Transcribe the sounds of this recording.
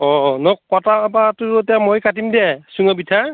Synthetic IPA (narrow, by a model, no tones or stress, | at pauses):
ɔnɔkɔtaapatʊɹtɛamojkatimdɛsuŋabitʰa